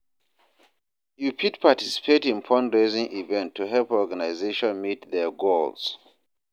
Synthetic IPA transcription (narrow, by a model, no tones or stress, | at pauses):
jupʰitpʰatisi̥pʰetĩnpʰɔ̃ndɹezĩŋivɛ̃ntʰːuɦɛlpɔɡanaɪzeʃɔ̃nmitðɛɡols